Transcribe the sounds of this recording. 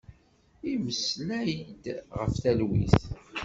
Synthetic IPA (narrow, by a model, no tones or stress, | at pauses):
iməslæjd̪ʁəfθælwḭθ